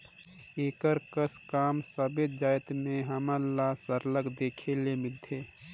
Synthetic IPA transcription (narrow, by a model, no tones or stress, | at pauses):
eːkəɾkəskaːmsəbet̪d͡ʒaːjt̪mẽɦəməlasəɾləɡd̪eːkʰelemɪlt̪ʰeː